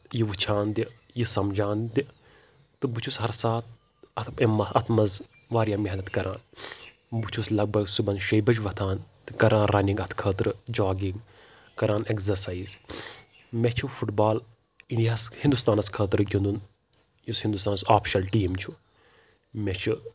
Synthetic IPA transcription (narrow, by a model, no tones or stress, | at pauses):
jiʋɨt͡ʃʰaːnd̪i | jisɐmd͡ʒaːnd̪i | t̪ɨbut͡ʃʰusɦɐɾsaːt̪̚ʰ | ɐt̪ʰemːɐɐt̪ʰmɐz | ʋaːɾjaːmeɦnɐt̪kɐɾʔaːn | but͡ʃʰuslɐɡ̚bɐɡsubɐnʃɐjbɐd͡ʒʋɐt̪ʰaːnt̪ɨkɐɾãːnɾɐniŋɡɐt̪ʰkʰəːt̪ɾɨd͡ʒaːɡiŋɡ | kɐɾaːnekzɐɾsaiːz | met͡ʃʰufuʈbaːl | iɳijaːshĩnd̪ust̪aːnɐskʰəːt̪ɾɡʲind̪un | jushind̪ust̪aːnɐsaːpʰʃɐlʈiːmt͡ʃʰu | met͡ʃʰu